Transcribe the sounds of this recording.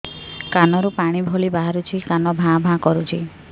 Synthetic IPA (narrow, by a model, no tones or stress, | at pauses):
kanɔɾupaɽ̃ibʱolibaɦaɾut͡ʃʰikanɔbʱãbʱãkɔɾut͡ʃʰi